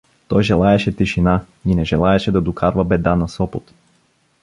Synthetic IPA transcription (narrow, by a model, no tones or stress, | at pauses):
t̪ɔjʒɛlˠaɛʃɛt̪iʃina | inɛʒɛlˠaɛʃɛd̪ad̪ukʰaɾvabɛd̪anasɔpɔt̪